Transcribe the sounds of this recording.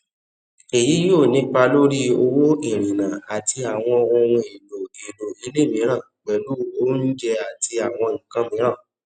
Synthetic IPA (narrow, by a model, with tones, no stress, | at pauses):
e˨ji˨˦jo˦˨nĩ˨˦k͡pa˧lo˦ɾi˦o˧wo˦i˦˨ɾ̃ĩ˨nã˨a˨ti˧a˨w̃ɔ̃˧õ˧ɾũ˧i˨do˨i˨lo˨i˨˦le˦˨mĩ˨˦ɾ̃ã˦˨k͡pɛ˨˦lu˦o˦n̩˦d͡ʒɛ˧a˨ti˧a˨w̃ɔ̃˧ŋ̩̃˨kã˨˦mĩ˨˦ɾ̃ã˦˨